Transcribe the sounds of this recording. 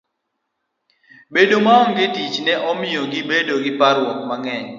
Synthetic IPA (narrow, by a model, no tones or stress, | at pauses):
bedomaɔŋɡetit͡ʃnɛʔɔmɪjɔɡɪbedoɡɪpaɾwɔkmaŋɛɲ